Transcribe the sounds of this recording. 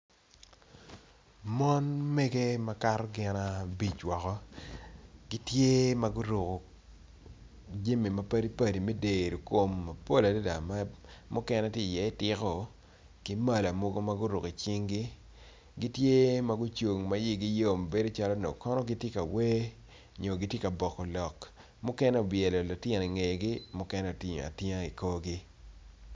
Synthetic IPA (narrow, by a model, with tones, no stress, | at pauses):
mɔ˦nme˦ɡe˦ma˦ka˦rɡɪ˨na˨bi˨t͡ʃwɔ˨kɔ˦ | ɡi˦tje˦ma˦ɡʊ˦ɾo˨ko˨ | d͡ʒe˦me˨ma˨pɐ˦di˦pɐ˨di˨me˦de˨ɾo˨ko˨mːa˨po˦la˨de˦da˨ma˦mʊ˦kɛ˦nɛ˦tje˦˨jɛ˨˦˨tɪ˦kɔ˨ | ki˦ma˦˨la˨mo˦ɡo˦ma˦ɡʊ˦ɾu˨ki˨t͡ʃi˦ŋɡi˦ | ɡi˦tje˦ma˦ɡʊ˦t͡ʃo˨ŋma˨˦ji˦ɡi˦jo˦˨m˨be˦do˦t͡ʃa˦lɔ˦no̰˨kɔ˦nɔ˦ɡi˦tje˦ka˨we˦ | ɲo˨ɡi˦tje˦ka˨bɔ˨kɔ˨lɔ˨k | mʊ˦kɛ˦nɛ˦o˨bjɛ˨lɔ˨lo˨tɪ˦˨n˨i˨ŋe˨ɡɪ˦mʊ˦kɛ˦nɛ˦o˨ti˨ɲ̰˨a̰˨tja˦i˨ko˦ɡɪ˦